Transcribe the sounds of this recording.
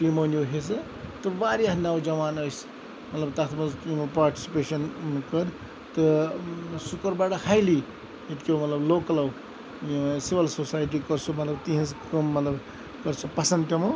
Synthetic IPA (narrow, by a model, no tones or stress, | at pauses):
pimonjoɦesɐ | t̪ɨbaɾjaɦnawd͡zɐmaːnʌjs | mɐt̪lɐbt̪at̪ʰmɐzkimɐpaːɾʈi̥si̥peːsɐnkʌɾ | t̪ʌ | sukɐɾbaʈɐhajli | et̪kewmɐt̪lɐbloːkɐlaw | sibɐlsosajʈ̬ikʌɾt͡sʰumɐt̪lɐbt̪iɦɐ̃zkʌmːɐt̪lɐb | kʌɾt͡sʰupɐsɐnt̪ɐmo